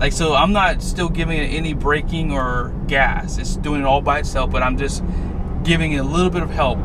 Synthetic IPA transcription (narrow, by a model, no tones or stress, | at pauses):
lʔaɪksoʊãɪ̃mnətstɪlˠɡɪvɪ̃ŋɨɾʔɛnibɹeɪkɪ̃ŋə˞ | ɡ̥æsɨtsd̥ʉɪ̃ŋɨɾɔlˠbaɪɨtsɛlˠfb̥ʌɾãɪ̃md͡ʒʌs | ɡ̥ɪvɪ̃ŋɨɾəlɪɾl̩ˠbɪɾʌv̥hɛlˠp̚